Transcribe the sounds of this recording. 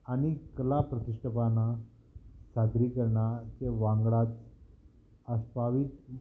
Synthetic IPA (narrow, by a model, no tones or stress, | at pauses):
añikəlapɾət̪iʂʈʰəpana | sad̪ɾikəɾɳat͡ɕeʋãŋɡɭad͡z | əspaʋit̪